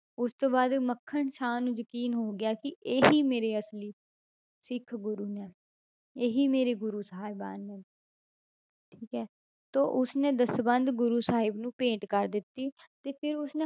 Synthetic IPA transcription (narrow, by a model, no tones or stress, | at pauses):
ʊst̪õːbaːd̪məkʰːəɳʃʰaːnũːjəkiːnɦoːɡɪjaːkɪʔeːɦiːmeːɾeːəsliː | sɪkʰɡʊɾuːnɛː | eːɦiːmeːɾeːɡʊɾuːsəaːɪba̰ːnːɛː | ʈʰiːkɛː | t̪oːʔʊsnẽːd̪əsbənd̪ɡʊɾuːsaːɦɪbnũːpẽːʈkəɾd̪ɪt̪ːiːt̪eːpʰɪɾʊsneː